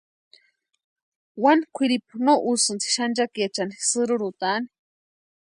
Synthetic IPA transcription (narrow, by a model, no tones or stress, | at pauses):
wanikʷʰiɾipunoʔusɨnt͡si̥ʃand͡ʒakjat͡ʃanisɨɾuɾut̪ani̥